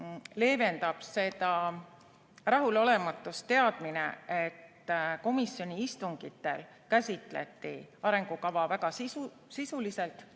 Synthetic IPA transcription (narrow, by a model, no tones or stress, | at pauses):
le̞ːve̞nd̪ɑb̥se̞d̪ɑ | rɑɦulo̞le̞mɑt̪ːˑust̪e̞ɑd̪̥minḛet̪ːko̞misjo̞nʲiist̪uŋɡ̥it̪ːe̞̰l | kæsʲit̪ˑle̞̰t̪ˑːḭɑɾe̞ŋɡ̥ukɑvɑvæɡ̥ɑsisu | sisulise̞lt̪